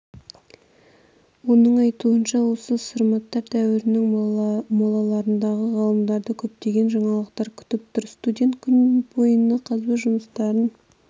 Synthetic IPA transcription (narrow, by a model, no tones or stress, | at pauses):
wo̞nəɴɑjt̪uənʃɑwo̞səsəɾmɑt̪ːɑɾt̪ʰæwɪɾɪnɪŋmɑlˠɑlˠɑɾənd̪ɑʁəʁɑlˠəmd̪ɑɾd̪əkʲʰɵp̚t̪e̞ɡʲe̞nʒɑɴɑlˠəqt̪ɑɾkʲʰʏ̥t̪ɪp̚t̪ʊɾst̪udʲe̞nt̪kʲʰʏnbo̞jənːəqʰɑzbɪʒʊməst̪ɑɾən